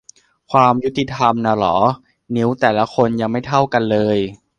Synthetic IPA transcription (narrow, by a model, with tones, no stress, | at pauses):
kʰwaː˧mju˦˥t̪ːi˧t̪ʰa˧mna˧˩lɔ̰ː˩˦ | ni˦˥wt̪ɛː˨˩la˦˥kʰo˧nja˧ŋma˥˩jt̪ʰa˥˩wka˧nlɤː˧j